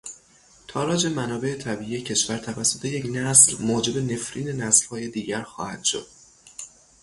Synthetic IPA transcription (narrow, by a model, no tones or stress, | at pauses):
t̪ʰɒːɾɒːd͡ʒe̞mænɒːbe̞et̪ʰæbiːʔije̞cʰe̞ʃvæɾt̪ʰævæsːo̞t̪ʰe̞je̞cnæslmoːd͡ʒe̞be̞ne̞fɾiːne̞næslhɒːje̞d̪iːɟæɾxɒ̰ːhænd̪̥ʃo̞̰d̪̥̚